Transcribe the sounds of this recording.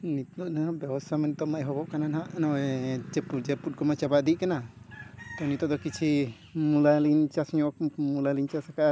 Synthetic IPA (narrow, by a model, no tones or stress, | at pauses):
nit̪ɔʔnabjabɔst̪ʰamɛnt̪ɔmajɦɔbɔʔkananɦaʔnɔwɛd͡ʒɛpud͡ʒɛput̚kɔmat͡ʃabaʔd̪iʔkana | t̪ɔnit̪ɔʔd̪ɔkit͡ʃʰi | mulalint͡ʃasɲɔ̃ʔmulaliɲt͡ʃasakaʔ